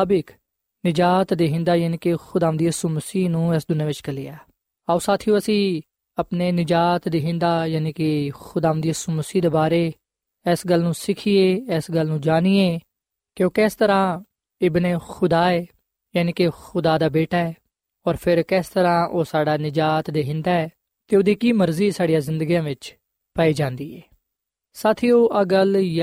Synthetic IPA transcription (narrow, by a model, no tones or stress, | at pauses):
bɪk | nɪd͡ʒaːt̪d̪iːɦɪ̃nd̪aːjaːniːkexʊd̪aːə̃d̪ijəsuːməsiːnũːɛːsd̪ʊnjaːʋɪt͡ʃkəlɪːaː | aosaːt̪ʰijõːəsĩː | əpneːnɪd͡ʒaːt̪d̪iːɦɪ̃nd̪aːjaːniːkexʊd̪aːʋənd̪ijəsuːməsiːd̪eːbaːɾeː | ɛːsɡəlːnũːsɪkʰieːɛːsɡəlnũːd͡ʒaːniːeː | kɪõːkɛːst̪əɾãː | ɪbneːxʊd̪aːeː | jaːniːkexʊd̪aːd̪aːbeːʈaːɛː | ɔːɾpʰɪɾkɛːst̪əɾãːʔoːsaːɖaːnɪd͡ʒaːt̪d̪eːɦɪ̃nd̪aːɛː | t̪eːʊd̪iːkiːməɾziːsaːɽijãːzɪ̃nd̪əɡijãːʋɪt͡ʃ | paiːd͡ʒãːnd̪iːɛː | saːt̪ʰiːoːʔəɡəlj